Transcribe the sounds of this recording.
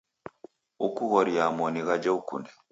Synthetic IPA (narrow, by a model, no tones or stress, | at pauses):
ukuɣɔɾiamɔniɣad͡ʒɛukṵndɛ